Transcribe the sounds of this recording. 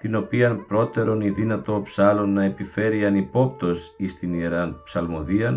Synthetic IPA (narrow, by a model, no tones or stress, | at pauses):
t̪ino̞piɐnpɾo̞t̪e̞ɾo̞niðinɐt̪o̞psɐlo̞nːɐepife̞ɾiɐnipo̞p̚t̪o̞sist̪inieɾɐnpsɐlmo̞ðiɐn